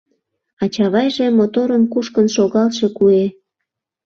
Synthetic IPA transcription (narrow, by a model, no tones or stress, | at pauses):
ɑt͡ɕɑβɑjʒemot̪oɾəmkuʃkənʃoɣɑlʃe̽kue